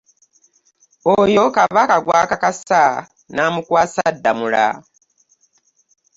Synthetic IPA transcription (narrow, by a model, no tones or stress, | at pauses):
ojo̞kaβakaɡwakakasa | naːmukwaːsadːamula̰